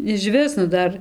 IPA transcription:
ɪʃʲˈʋʲɪs nʊ ˈdɐr

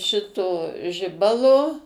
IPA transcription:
ˈʃʲɪtoː ˈʒʲɪbɐlˠoː

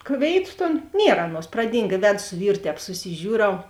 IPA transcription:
ˈkʋʲeːɪˌtʊ ˈtoːn ˈnʲiɛr ˈɑːˌnuɔs prɐˈdʲiːŋk ɪ ˈʋʲæːdʊ sʊ ˈʋʲiːrʊ ˈtʲɛːp sʊsʲɪˈʒʲuːˌrɐʊ

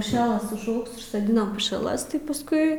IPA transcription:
pʊˈʃʲæːlˠɐs ʊʒˈɐʊks ʊʃsoːˈdʲɪnɐm pʊʃʲɛˈlˠɐs tɐɪ pɐsˈkʊɪ

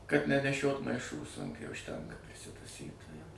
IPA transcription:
kɐt nʲɛnʲɛˈʃʲoːt mɐɪˈʃuː sʊŋʲˈkʲuː ʊʃʲˈtʲɛŋkɐ pʲrʲɪsʲɪtɐˈsʲiː tɐ jɛʊ

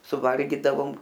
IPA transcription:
sʊˈʋɐlʲɡʲiːdɐʋoːm

